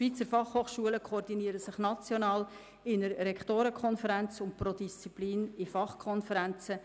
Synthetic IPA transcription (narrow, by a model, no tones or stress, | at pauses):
ʃʋ̥iːt͡səɾfɑχhoːχʃuələkʰoordiniəɾəsɪχnɑt͡sjonɑːl | ɪnəɾːɛktoːɾəkʰɔnfəɾænt͡sʊnt̚prodist͡sipliːnɪfɑχkʰɔnfəɾænt͡sə